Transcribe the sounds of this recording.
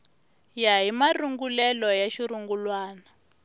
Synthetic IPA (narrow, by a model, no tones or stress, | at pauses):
jaɦimaruŋɡulɛlɔjaʃiɾuŋɡulwaːna